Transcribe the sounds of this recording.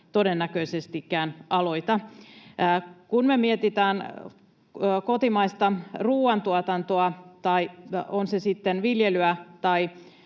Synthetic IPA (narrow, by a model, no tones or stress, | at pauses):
t̪o̞denːækøisest̪ikːæːnɑlo̞it̪ɑ | kunmemiet̪it̪æːn | kot̪imɑist̪ɑruːwɑnt̪uɑt̪ɑnt̪oɑt̪ɑionsesit̪ːenʋiljelyæt̪ɑi